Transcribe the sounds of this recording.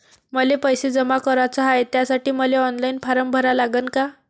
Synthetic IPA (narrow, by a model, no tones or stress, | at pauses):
məlepəjsed͡zəmakəɾat͡səɦajet̪jasaʈiːməleɔnlajinpʰaɾəmbʱəɾalaɡənka